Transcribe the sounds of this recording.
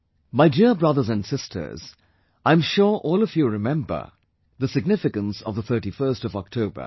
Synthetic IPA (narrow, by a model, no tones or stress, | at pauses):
maɪdiɹbɹʌðəzæ̃ndsɪstʰə̰˞z̥ | ʔãɪ̃mʃʊɹʔɔːlˠʌvjuɹɪmɛ̃mbə̰˞ | ðəsɪɡ̚nɪfɪkə̃nsʌvðəθʰɜ˞ʈifɜ˞stɔvɔk̚tʰoʊbə̰